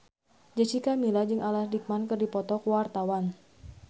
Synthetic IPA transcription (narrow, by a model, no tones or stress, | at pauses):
d͡ʒət͡ʃikamilad͡ʒɨŋʔalahdik̚mankɨrdipɔt̪ɔkuwart̪awan